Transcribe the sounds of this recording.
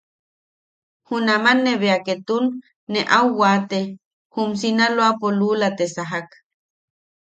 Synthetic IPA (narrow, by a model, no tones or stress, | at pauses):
hunamanːeβeaket̪unː | eʔawːat̪e | hums̬inaloapolulat̪esaɦak